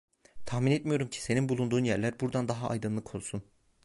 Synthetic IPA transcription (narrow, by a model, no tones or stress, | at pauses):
t̪ʰaxminɛt̪mijo̞ɾumcʰi̥se̞ninbulˠund̪uːnjæɾlʲæɾbuɾd̪and̪aɦaʔːjd̪ɯnlˠɯkʰo̞lˠsun